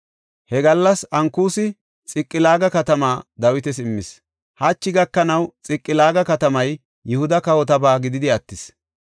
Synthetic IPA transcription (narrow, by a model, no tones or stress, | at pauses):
hɛɡɐlːɐsɐŋkuːsɪ | t͡sʼɪkʼːɪlaːɡɐkɐt̪ɐmaːd̪ɐwɪt̪ɛsɪmːɪs | hɐt͡ʃːɪɡɐkːɐnɐwt͡sʼɪkʼːɪlaːɡɐkɐt̪ɐmɐj | jʊhʊd̪ɐkɐwɔt̪ɐbaːɡɪd̪ɪd̪ɪɐt̪ːɪs